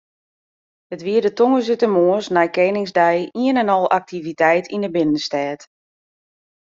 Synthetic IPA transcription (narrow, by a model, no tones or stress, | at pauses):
ətʋiədətoŋəsytəmoəsnɛjkenɪŋzdɛjiənɛnɔlˠʔak̚tʰivitɛjtʰindəbɪnənstɛːt